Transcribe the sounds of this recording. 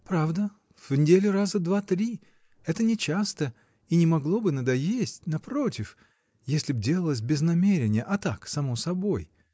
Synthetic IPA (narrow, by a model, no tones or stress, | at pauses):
pɾavd̪ə | v̥nʲɪdʲelʲʊrazəd̪vat̪ɾʲi | ɛt̪ənʲɪt͡ɕast̪ə | inʲɪmɐɡlˠo̞bɨnəd̪ɐjesʲtʲnɐpɾo̞tʲɪf | jesʲlʲɪbdʲe̞lˠəlˠəs̬ʲbʲɪznɐmʲeɾʲɪnʲɪjəʔɐt̪aksɐmosɐbo̞j